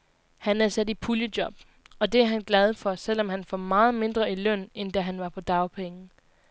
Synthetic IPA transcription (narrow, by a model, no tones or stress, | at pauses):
hænæɐsæd̥ipʰuljəd̥jɒ̽b̥̚ | ɒ̽d̥e̝æɐɦænɡ̥lɛð̞ˠfɒ̽sel̰ɒ̽mɦænfɒmɑ̈ːð̞̩ˠme̝nd̥ʁɐilœn̰end̥æɦænʋɑ̈pʰɒ̽d̥ɑ̈ʊpʰeŋn̩